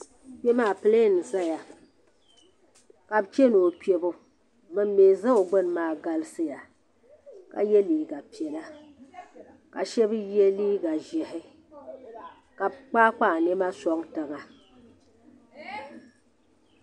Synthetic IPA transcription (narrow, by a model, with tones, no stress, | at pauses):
pɛ˦maː˦˨pɨ˨leː˦nɨ˨sa˦ja˨ | ka˨bt͡ʃe˦no˨pi˨˦ɛ˨bʊ˦ | mɨ˨m˦meː˨za˦o˨ɡ͡bɨ˦n˨maː˦ɡa˦lɨ˦sɨ˦ja˨ | ka̰˨jɛ˦liː˨ɡa˨pi˨ɛ˨la˦ | ka̰˨ʃɛ˦bɨ˦jɛ˦liː˦ɡa˨ʒɛ˨hɪ˦ | ka˨bk͡paː˦k͡pa˦˨nɛ˦ma˦sɔ˦ŋtɨ˨ŋa˨